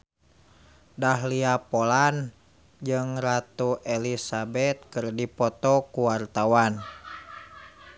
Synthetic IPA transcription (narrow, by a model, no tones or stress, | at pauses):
daɦliapɔlan | d͡ʒɨŋrat̪uʔɛlisabɛt̪̚kɨrdipɔt̪ɔkuwart̪awan